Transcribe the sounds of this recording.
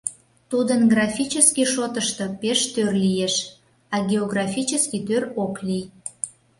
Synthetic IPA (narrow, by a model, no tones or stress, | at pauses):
t̪ud̪ənɡrɑfʲit͡ɕəskiʃot̪əʃt̪opeʃt̪ørlijeʃ | ɑɡʲeoɣrɑfʲit͡ɕəskit̪øɾoklij